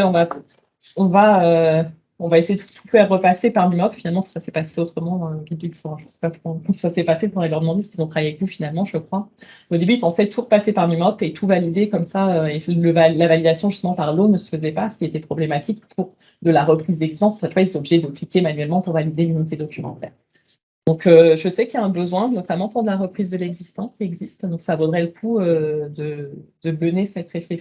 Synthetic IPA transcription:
ɛɔ̃va | ɔ̃vaø | ɔ̃vaesejed̪t̪ʰu̥fɛʁːəpasepaʁmimɔpfinalmɑ̥̃sasɛpaseot̪χəmɑ̃d̪ɑ̃əɡʲid̪yfɔʁ̃ʒəsɛ̥papuɔ̃kɔ̃sasɛpasepuʁɛlœʁd̪əmɑ̃d̪esə̥kilzɔ̃t̪χavajeavɛkvufinalmɑ̃ʒəkχwaod̪ebyit̪ɑ̃sɛt̪ʰuʁəpasepaʁmimɔpet̪ʰuvalid̪ekɔmsaøeləvalavalid̪asjɔ̃ʒyst̪əmɑ̃paʁlonəsə̥fəzɛpasə̥kʲilet̪ɛpχɔblemat̪ikpʰuʁ | d̪əlaʁəpχizd̪ɛɡzist̪ɑ̃ssafwailsɔ̃obliʒed̪əklikʲemanɥɛlmɑ̃puʁvalid̪elynit̪̬ed̪ɔkʲymɑ̰̃t̪ɛ̰ːʁ | d̪̥ɔ̃køʒəsɛkjaɛ̃bəzwɛ̃nɔt̪amɑ̃puʁd̪laʁəpχizd̪əlɛɡzist̪ɑ̃skʲiɛɡzist̪d̪ɔ̃ksavod̪ʁɛləkʰuød̪əd̪̥əblənesɛt̪ʁeflɛk

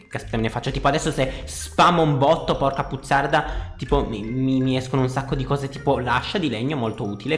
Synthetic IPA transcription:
keaspe̥t̪ːamenefat͡ʃːot̪iːpoad̪ɛsːosespaːmoumbɔt̪ːopɔrt̪aput̪sːard̪at̪iːpomimimiɛskonounsakːod̪ikɔːzet̪iːpolaʃːad̪ilɛɲːomolt̪ouːt̪ile

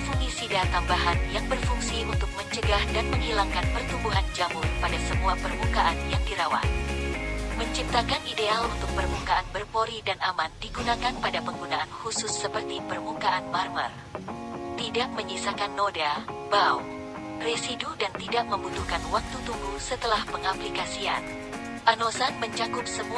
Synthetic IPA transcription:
fuŋisidat̪ambaɦanjaŋbərfuŋsiunt̪ʊk̚məɲt͡ʃəɡahdanməŋhilaŋkanpərt̪ubuɦand͡ʒamʊrpadasəmuapərmukaʔanjaŋdiɾawa̰h | məɲt͡ʃip̚t̪akanidealunt̪ʊk̚pərmukaanbərpoɾidanamandiɡunakanpadapəŋɡunaʔanhusʊsːəpərt̪ipərmukaʔanmarmə̰r | t̪idaʔ̚məɲisakanːodabaw | residudant̪idaʔ̚məmbut̪ukanwak̚t̪ut̪uŋɡusət̪əlahpəŋaplikasia̰n | panosanməɲt͡ʃakʊp̚səmu

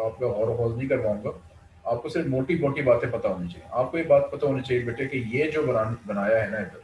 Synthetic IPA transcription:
aːp̚kaɦɔːɾoɦɔːznɐɦĩkɐɾʋaːũːŋɡaː | aːp̚kosɪɾfmoːʈimoːʈibaːt̪ẽpɐt̪aɦoːnit͡ʃaːɦiḛʔaːp̚kojebaːt̪̚pɐt̪aɦoːnit͡ʃaːɦiebeːʈʰeekejed͡ʒoːbɐnabɐnaːjaɦɛnaed̪ɐɾ

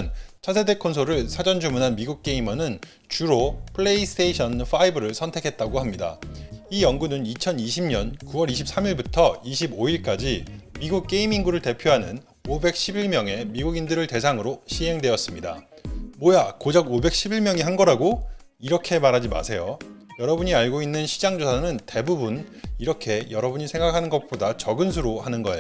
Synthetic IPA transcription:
nt͡ɕʰasʰe̞de̞kʰonsʰoɾɯɭsʰad͡ʑʌnd͡ʑumunɦanmiɡuk̚k͈e̞imʌnɯn | t͡ɕuɾopʰɯɭe̞istʰeiɕʰʌnfʰaibɯɾɯɭsʰʌntʰe̞kʰe̞t̚t͈aɡoɦamɲida̰ijʌŋɡunɯnit͡ɕʰʌniɕʰimɲʌnkuwʌɾiɕ̬ʰip̚s͈amiɭbutʰʌiɕʰiboiɭk͈ad͡ʑimiɡuk̚k͈e̞imiŋɡuɾɯɭte̞pʰjoɦanɯn | obe̞k̚ɕ͈ʰibiɭmjʌŋe̞miɡuɡindɯɾɯɭte̞sʰaŋɯɾoɕʰiɦe̞ŋdwe̞ʌs͈ɯmɲida̰mwʌjakod͡ʑʌɡobe̞k̚ɕ͈ʰibiɭmjʌŋiɦanɡʌɾaɡo | iɾʌkʰe̞maɾɦad͡ʑima̰sʰe̞jojʌɾʌbuɲiaɭɡoinːɯnɕʰid͡ʑaŋd͡ʑosʰanɯnte̞bubuniɾʌkʰe̞jʌɾʌbuɲisʰe̞ŋɡakʰanɯnɡʌk̚p͈odat͡ɕʌɡɯns̬ʰuɾohanɯnɡʌeo

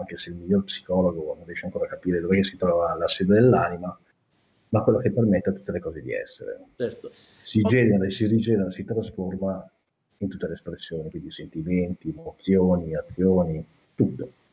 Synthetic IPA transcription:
aŋkeseilmiʎːorpsi̥kɔloɡonõrjɛʃaŋkoːɾakapiːɾed̪ovɛkesit̪ɾɔːvalaseːd̪ed̪elːaːnima | makwelːokepːermet̪ːeat̪ːu̥t̪ːelekɔːzed̪ḭɛ̰sːḛɾḛ | sid͡ʒɛːneɾasirid͡ʒɛːneɾasit̪ɾasforma | int̪ut̪ːeleːspɾesːjoːnikwind̪isent̪iment̪iemot̪sːjoːniat̪sːjoːni | t̪ut̪ːo

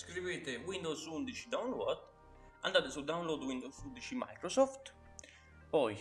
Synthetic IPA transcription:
skɾiveːt̪ewind̪owsund̪it͡ʃid̪awnlɔd̪ | a̰nd̪aːt̪esud̪awnlod̪wind̪owsund̪it͡ʃima̰jkɾɔsɔft̪ | pɔj

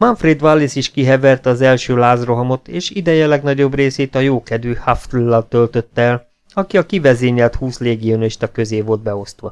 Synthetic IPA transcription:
mɒɱfɾeːd̪ʋalːisiʃkiɦɛvɛrt̪ɒzɛlʃøːlaːzro̞ɦɒmo̞t̪eːʃid̪ɛjɛlɛɡnɒɟo̞breːseːt̪ɒjoːkɛd̪yhaft̪ulːɒlt̪ø̞lt̪ø̞t̪ːɛɛl | ɒkiɒkivɛzeːɲɛlt̪huːsleːɡioniʃt̪ɒkøzeːvo̞ld̪̚bɛo̞st̪ʋɒ

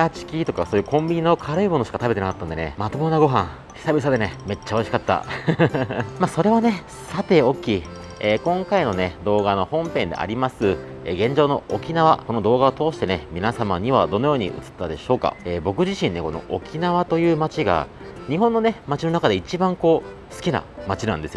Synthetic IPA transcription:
at͡ɕi̥kʲit̪o̞kaso̞ːjɯ̟ːkõ̞mbʲiɲ̟inookʰaɾɯ̟imono̞ɕi̥kat̪abeenakat̪ːand̪e̞nḛmat̪obonaɡo̞ɦãŋ | ɕi̥sabʲisad̪e̞ne̞me̞t͡ɕːao̞iɕi̥kat̪ːa̰ | maːso̞ɾe̞βane̞ | sat̪e̞o̞kʲːi | eːkõ̞ŋkaino̞ne̞d̪o̞ːɡano̞hõ̞mpẽ̞nd̪ḛa̰ɾʲimasɨ | eɡẽ̞ɲ̟d͡ʑo̞ːno̞okʲinaβako̞no̞d̪o̞ːɡaot̪o̞ːɕi̥t̪e̞ne̞mʲinasamaɲ̟iβad̪o̞no̞joːɲ̟ḭɯ̟̰t͡sɨ̥t̪ːad̪e̞ɕo̞ːka̰eːbo̞k̬ɯ̟ʑiɕĩnːe̞ko̞no̞̰ʔo̰kʲinaβat̪ojɯ̟ːmat͡ɕiɡa̰ | ɲ̟iɦõnːo̞ne̞mat͡ɕino̞nakad̪e̞it͡ɕibãŋko̞ː | sɨ̥kʲina̰mat͡ɕinãnd̪esɨjo

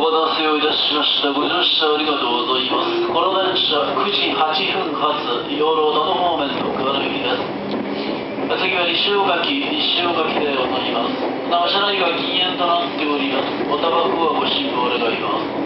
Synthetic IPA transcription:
ɡod̪asejoːid̪aɕimaɕi̥t̪aɡo̞ʑoːɕi̥aːɾʲiɡat̪oɡozaimasɨ̥ko̞ɾonãɕakɯ̟ʑihat͡ɕiɸɯ̟̃ŋhat͡sɨ | joːɾo̞ːd̪anomoːmẽ̞nd̪okɯβaɾɯbekʲid̪esɨ̥ | et͡sɨɡʲiβaɾʲiɕɨokakʲiɲʲiɕɨːokakʲi̥t̪e̞onaɾʲimasɨ̥ | nakaɕaɾaiɡaɡʲĩŋẽ̞nt̪onat̪ːe̞oɾʲimasɨ̥ot̪abakɯβaɡo̞ɕĩmbɯːɾeɡaima̰sɨ̥

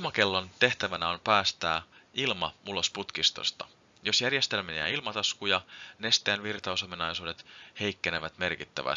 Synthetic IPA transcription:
mɑke̞lːo̞nt̪e̞ht̪æʋænæo̞mpæːst̪æːilmɑulo̞sput̪kist̪o̞̰st̪ɑ | jo̞sjærje̞st̪e̞lmæniæ̰ilmɑt̪ɑskujɑnest̪eːnʋirt̪ɑuso̞minɑjsuːde̞t̪he̞jkːe̞ne̞ʋæt̪me̞rkit̪ːæ̰ʋæ̰

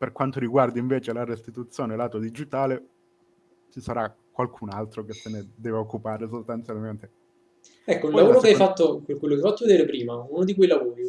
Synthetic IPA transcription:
perkwant̪oɾiɡward̪iɱveːt͡ʃelaɾest̪it̪ut̪sːjoːnelaːt̪od̪id͡ʒit̪aːle | t͡ʃisaɾa | kːwalkʰunalt̪ɾokesːened̪ɛːveokːupaːɾes̬ost̪ant̪sjalment̪e̥ | ɛkːounlavoːɾokeajfat̪ːokwekwelːokeajfat̪ːoved̪eːɾepɾiːmaunod̪ikwejlavoːɾi

